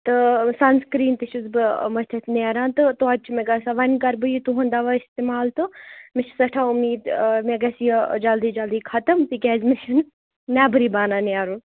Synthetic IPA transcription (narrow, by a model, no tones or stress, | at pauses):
t̪ɨsɐnskɾiːnt̪ɨʃuzbɨmɐst̪ʰɐt̪ʰnaːɾãːnt̪ɨt̪oɐt͡ʃʰmeɡɐsaʋɐnʲkɐɾbɨjit̪uɦund̪aʋaist̪emaːlt̪ɨmɪʃʰi̥sɐʈʰaːumiːd̪meɡɐsijɐd͡ʒɐld̪iːd͡ʒɐld̪iːkʰɐt̪ɐmt̪ikʲɛːzmiʃɐn | mɛːbɨɾiːbaːnaːneaːɾun